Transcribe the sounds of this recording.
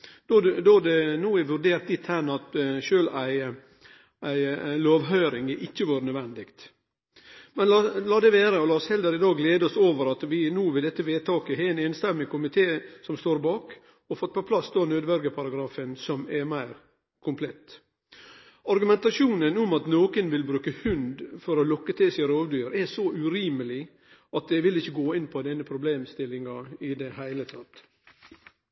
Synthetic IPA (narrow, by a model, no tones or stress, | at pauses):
d̪̥od̪oːd̪ɛnuːɛʋʉɾɖeːɾt̪lɪt̪hænɑt̪ʃøːlæɪ | æɪloːʋɦœʏɾɪŋəʔɪçːəʋɑːɾənœd̪ʋɛnd̪ɪkt̪ | mɛnlɑːlɑːd̪ɛʋeːɾəɔlɑːshɛld̪əɾɪd̪ɑːɡleːd̪əɔsoːʋəɾɑt̪ʋɪnuːʋɪd̪ɛt̪ːəʋeːt̪ʰɑːkəɦeːnɛːnst̪ɛmːɪkʰʊmɪt̪ʰeːsɔmst̪oːɾbɑːk | ɔfɔt̪̚pʰɔpʰlɑsd̪oːnøːd̪ʋɛlɡəpʰɑɾɑɡɾɑːfənsɔmɛmæɪɾ | kʰʊmpʰlɛt̪ː | ɑɾɡʉmɛnt̪ɑʂuːnənʊmɑt̪noːkənʋɪlbɾʉːkəhʉnd̪fɔɾɔlɔkːət̪ʰɪlsɪɾoːʋd̪yːɾɛsɔʔʉɾiːməlɪ | ɑt̪̚d̪ɛʋɪlɪçːəɡoːɪnːpʰɔd̪ɛnːəpʰɾʊbleːmst̪ɪlɪŋɑɪd̪ɛhæɪlət̪ʰɑt̪